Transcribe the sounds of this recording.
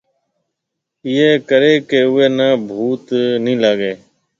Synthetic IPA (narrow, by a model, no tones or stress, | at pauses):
ɪːeːkəɾeːkeːʊːeːnə̃ːbʱuːt̪nĩːlaːɠeː